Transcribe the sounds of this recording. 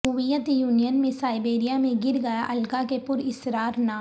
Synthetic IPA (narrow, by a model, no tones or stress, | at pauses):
uʋijət̪juːnijənmẽsaːɪbeːɾijamẽɡɪɾɡɐjaʔɐlkakepʊɾɪsɾaːɾnaː